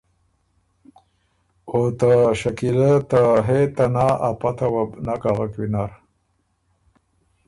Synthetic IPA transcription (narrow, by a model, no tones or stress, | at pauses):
ot̪aɕakilat̪aɦet̪anaʔapat̪awabnakaɣakwinaɾ